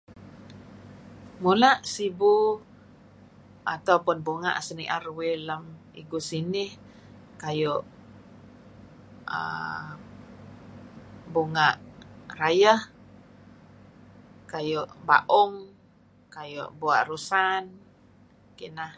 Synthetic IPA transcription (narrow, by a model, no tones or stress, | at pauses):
mulaʔsibu | at̪awpʊnbuŋa̰ʔsəniʔaɾwelam | ḭɡusinɪh | kajʊʔ | ə̰ | buŋaʔrajəh | kajʊʔba̰ʔʊŋ | kajʊ̰ʔbuaʔrusan | kinah